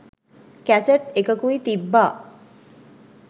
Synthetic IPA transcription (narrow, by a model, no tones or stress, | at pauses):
kæseʈekəkuit̪ibːaː